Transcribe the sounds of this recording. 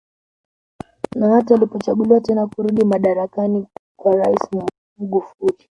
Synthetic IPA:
nahatialipɔt͡ʃaɡuliwatɛnakuɾuɗimaɗaɾakanikwaɾaisi | m̩ɡufuli

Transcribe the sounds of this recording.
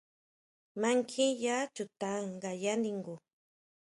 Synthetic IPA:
maŋkʰijat͡ʃʊt̪aŋɢajand̪iŋɡu

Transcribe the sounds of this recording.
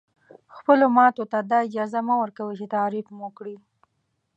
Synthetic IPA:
xpəlomɑt̪ot̪ad̪ɑɪd͡ʒɑzamawəɾkawət͡ʃet̪aɾifmokɽi

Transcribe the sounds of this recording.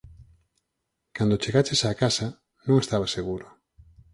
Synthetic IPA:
kand̪ot͡ʃeɣat͡ʃesaːkasa | nõŋest̪aβaseɣuɾo

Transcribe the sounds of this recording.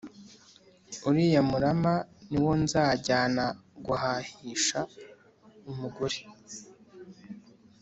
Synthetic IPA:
uɾiːjamuɾamaniwo̞nzaːɟaːnaɡuhahiːʃa | umuɡuɾi

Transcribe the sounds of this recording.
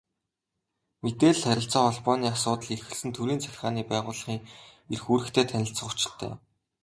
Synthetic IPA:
met̪eːɮχæɾʲɪ̆ɬt͡sɔːɔɮpɔːniːasʊːt̪ə̆ɮerxɘ̆ɮsɘ̆nt̪ʰuɾiːnt͡sʰæxʲɪ̆χaːniːpæːʁʊːɮ̆χiːŋerxuːɾɘ̆xt̪ʰeːt̪ʰænʲɪ̆ɬt͡sə̆χʊt͡ɕɪ̥̆ɮt̪ʰæ̰ː

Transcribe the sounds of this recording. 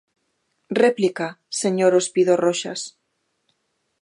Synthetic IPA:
replikaseɲoɾospiðoroʃa̰s

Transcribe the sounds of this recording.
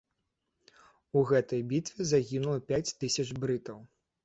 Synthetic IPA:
uɣɛt̪ɐjbʲit̪vʲɛzaɣʲinulˠɐpʲat͡sʲt̪ɨsʲɐt͡ʂbɾɨt̪ɐw

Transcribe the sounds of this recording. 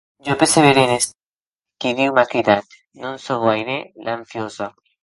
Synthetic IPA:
d͡ʒopeɾseβeɾenes | kiðiwmakiðat̪ | nũnsoɣwajɾelaɱfjoza

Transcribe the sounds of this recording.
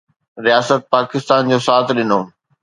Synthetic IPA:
ɾijaːsət̪̚paːkɪst̪aːnd͡ʑoːsaːt̪ʰɗɪnoː

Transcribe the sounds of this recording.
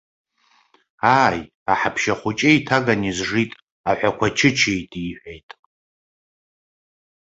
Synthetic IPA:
aːj | aħapʰʃaχʷʊt͡ʃʼeitʰaɡanizʐitʼ | aħʷᶣakʷʰat͡ʃʰɪt͡ʃʰejtʼiħʷᶣejtʼ

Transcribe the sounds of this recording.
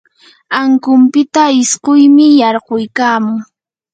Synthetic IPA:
aŋkʊmpɪt̪aɪsqʊjmɪjɑɾɢojkaːmʊŋ

